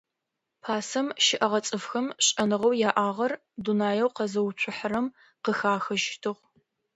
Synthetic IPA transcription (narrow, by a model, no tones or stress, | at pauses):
pʰaːsɐmʃɪʔɐʁɐt͡sʼɨfxɐmɕʼɐnɨʁɐwjaːʔaːʁɐr | dunaːjɐwqɐzɐwʊɕʷʰʊħəɾɐm | qəxaːxɐʒtʰɨʁʷ